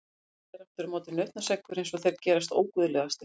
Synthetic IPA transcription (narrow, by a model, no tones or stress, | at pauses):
ɛɾaft̪ʏɾmɔːt̪ɪnœht̪nḁsɛkvʏɾejnsɔθejɾcɛːɾast̪o̰ːwkʏðʏlɛːɣðast̪ɪ